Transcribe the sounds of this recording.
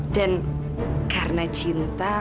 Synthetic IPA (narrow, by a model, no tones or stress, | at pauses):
ɖ̥an | karnat͡ʃint̪a